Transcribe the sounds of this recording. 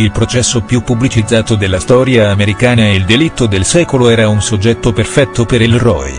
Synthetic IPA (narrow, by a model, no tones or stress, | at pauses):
ilpɾot͡ʃɛsːopjupːublit͡ʃid̪zːaːt̪od̪elːast̪ɔːɾjaːmeɾikaːnaeild̪elit̪ːod̪elsɛːkoloɛːɾaunsod͡ʒːɛt̪ːoperfɛt̪ʰːopeɾilrɔ̰j